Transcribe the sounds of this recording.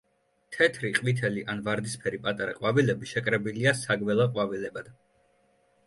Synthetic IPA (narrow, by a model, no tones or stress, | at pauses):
t̪ʰɛt̪ʰɾiqʼmit̪ʰɛliʔanvaɾd̪ispʰɛɾipʼat̪ʼaɾaqʼwavilɛbiʃɛkʼɾɛbiliasaɡmɛlˠaqʼwavilɛbad̪̥